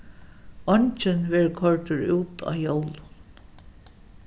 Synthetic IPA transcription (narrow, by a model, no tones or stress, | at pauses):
ɔɲt͡ʃɪnʋɛːɹkʰɔɹt̪ʏɹuːt̪ʰa̰ːjowlʊn